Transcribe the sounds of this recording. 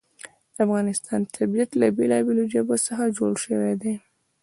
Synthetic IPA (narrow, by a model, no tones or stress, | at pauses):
d̪̥əafɣɑnɪst̪ʰɑnt̪ʰabijat̪labelɑbelod͡ʒəbosəxad͡ʒoɽʃəwed̪e